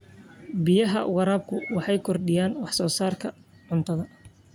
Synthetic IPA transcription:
bɪjɐɦɐ̰ʊ̰ɣɑɾaːb̚kʰʊwɑħɑjkʰɔrɖɪjaːnwɑħsɔːsaːrkʰɐ | ʕʊnt̪ʰɐðɐ

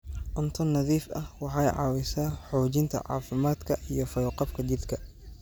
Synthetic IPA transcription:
ʔʊnt̪ʰɔnɐðiːfɐ̰hwɑħɑːjʕɑ̰ːwɪsaːħɔːt͡ʃɪnt̪ʰɐ̰ʕɑ̰ːfɪmaːd̪kʰɐʔijɞfɐjqɑbkʰɐt͡ʃɪrd̪kʰɐ

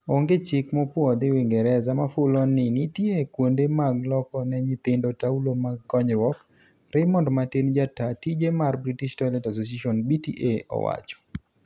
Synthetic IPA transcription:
oŋɡet͡ʃɪkmɔpwɔd̪ɪwɪŋɡɛɾɛzamafʊlɔnːɪnɪtjekwondemaɡlɔkɔnɛɲit̪ɪndotaulomaɡːɔɲɾwɔk | ɾɛmɔndmatend͡ʒatatid͡ʒemarbɾitiʃtɔlɛtas̬os̬aʃɔnbitḭʔeɔ̰wa̰t͡ʃɔ̥

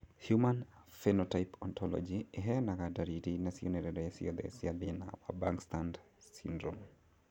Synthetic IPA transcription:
hjuman | fɛnɔtajpɔnt̪ʰɔlɔ̰d͡ʒiɛɦɛnaɣadaɾitinasiɔnɛɾɛɾɛasḭɔðɛ̰siaðina̰wa̰baŋkstand | sḭndɾɔm

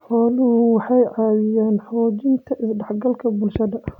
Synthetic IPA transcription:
ħɔːlʊhʊwɑħɑjʕɑːðɪjaːnħɔːt͡ʃɪnt̪ʰɐʔɪsɖɑħɡɐlkʰɐbʊlʃɐðɐ

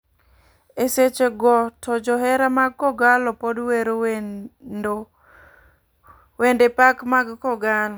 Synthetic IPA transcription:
eset͡ʃeɡɔtɔd͡ʒɔɦɛɾamaɡ̚kɔɡalɔpodweɾo | wendepakmaɡkɔɡalɔ

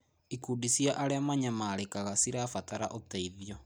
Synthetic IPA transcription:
ikudisjaʔaɾeamaɲamaːɾekaɣasiɾafataɾa̰ʔoteiðjɔ

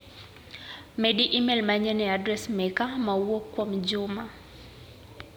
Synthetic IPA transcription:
mɛɗiʔimɛlmaɲɛnɛadɾɛsmɛkamauɔkwam̩ʄuma

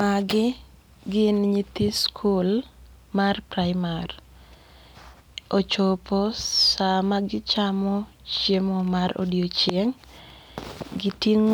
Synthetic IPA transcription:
maɡɪ | ɡɪnɲit̪iskʰul | marpɾaɪmar | ot͡ʃopɔsamaɡɪt͡ʃamɔ | t͡ʃjemɔmaɾo̰djot͡ʃjeŋ | ɡɪtiŋ

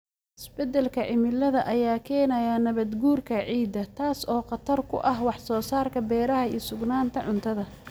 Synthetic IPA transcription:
ʔɪsbɛd̪ɛlkʰɐʕɪmɪlɐðɐʔɐjaːkʰɛːnɐjaːnɐβɐd̪ɡuːrkʰɐʕiːd̪ɐt̪ʰaːsɔːqɑt̪ʰɐrkʰʊ̰ʔɐɦwɑħsɔːsaːrkʰɐbɛːɾɐɦɐiːsʊɡnaːnt̪ʰɐʕʊnt̪ʰɐðɐ

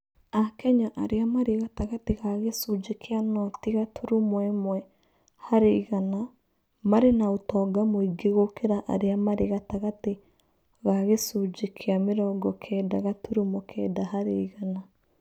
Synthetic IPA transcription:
akɛɲaʔaɾeamaɾeɣataɣateɣaɣesud͡ʒekʰeanɔtiɣatʰuɾumwɛmwɛ | haɾeiɣana | maɾenaotɔːɡamoiɡeɣokeɾaʔa̰ɾeamaɾeɣataɣate | ɣaɣesud͡ʒekʰeameɾɔːɡɔkʰɛːdaɣatuɾumokʰɛdaɦaɾḛiɣana

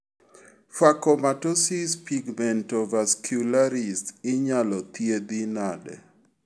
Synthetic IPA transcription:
fakɔmatosispiɡmɛntɔvaskʰjulaɾistɪɲalɔt̪jed̪inadɛ̰

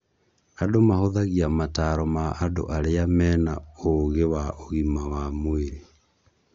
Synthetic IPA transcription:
adomahoðaɣiamataɾɔmaʔːdo̰ʔaɾeamɛːna̰oɣewaʔoɣimawamweɾe

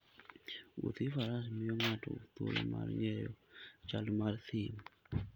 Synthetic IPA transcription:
wo̰t̪ifaɾasimɪjɔŋato̰t̪olo̰ma̰rŋɛjɔt͡ʃalmart̪ʰɪm

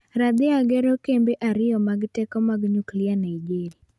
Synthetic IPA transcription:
ɾad̪ɪaɡɛɾokembeʔaɾɪjɔmaɡtɛkɔmaɡɲuklɪanaid͡ʒeɾi

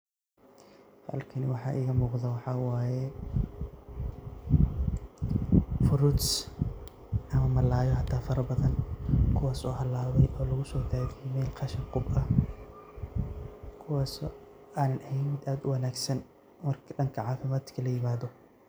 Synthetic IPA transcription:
hɐ̰lkʰɐnwɑħɑ̰ːʔɪːɣɐmuːqðɐwɑħɑːwaːjɛ | fʊɾʊt̪s | ʔɐmɐmɐlaːjɔħɑt̪ʰaːfɐɾɐbɐðɐnkʰʊwaːsɔːhɐlaːβɛjʔɔːlɐɣʊsɔːd̪ʰaːɣɛmɛːlqʰɑʃɐŋqʊbɐ | kʰʊwaːsɔ | ʔaːnɐnʔɐhɛmɪd̪aːd̪ʊwɐnaːɡsɐn | mɐrkɖɐŋkʰɐʕɑːfɪmaːt̪kʰɐlɐjɪmaːðɔ

